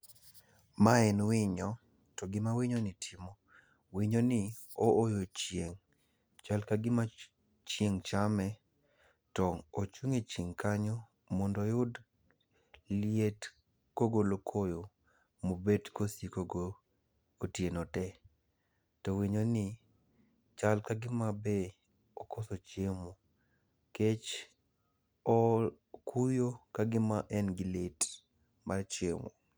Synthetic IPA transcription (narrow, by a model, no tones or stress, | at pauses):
maɛnwɪɲɔ | tɔɡɪmawiɲonɪtʰimo | wiɲonɪ | oːjot͡ʃjeŋ | t͡ʃalkaɡɪma | t͡ʃeŋt͡ʃamɛ | tɔot͡ʃuŋet͡ʃiŋkaɲɔ | mɔndɔjʊd | liet | koɡolokʰojo | mobedkosikoɡoː | tjenotɛ | tɔwiɲonɪ | t͡ʃalkaɡɪmabe | ɔkosot͡ʃemo | ket͡ʃ | ɔ | kʰujokaɡɪmaʔɛnɡɪlet | mart͡ʃemo̰